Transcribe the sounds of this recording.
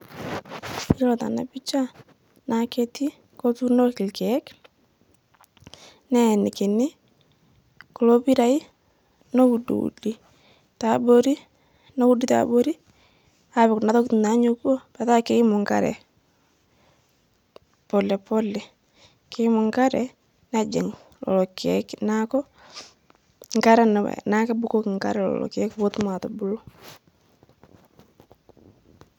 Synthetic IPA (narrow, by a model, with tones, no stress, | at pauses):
ɪ˦lɔ˨ta̰˨na̰˨pi˦t͡ʃa˦ | na˨ke˦ti˦ | ko˦tu˦no˦kɪ˨lkɛ˨˦k | nɛ˦˨nɪ˨kɪ˨nɪ˦ | ko˨lo˦pi˦ɾa˨i˦ | no˦u˨dṵ˨ṵ˨di˦ | ta˨bo˦ɾi˦ | no˦u˦di˦ta̰˨bo˦ɾi˦ | a˨βɪ˨kna˨ðɔ˦kti˨na˨˦ɲo˨kwo˦ba˨ta˦kɪ˦mɔ˨ŋka̰˦ɾɛ̰˨ | pɔ˨lɛ˨pɔ˦lːɛ˨ | kɪ˦mɔ˨ŋka˦ɾɛ˨ | na˦d͡ʒɛ˨ŋ | lɔ̰˨lɔ˨kɛknakɔ˦ | ŋka˦ɾɛ˦n˨wɛ̰na˦kɛ˦bu˦ko˦kŋka̰˦ɾɛ˦lɔ̰˨lɔ̰˨kɛ˦kwo˦tma˨tɔ˨bu˦lɔ˦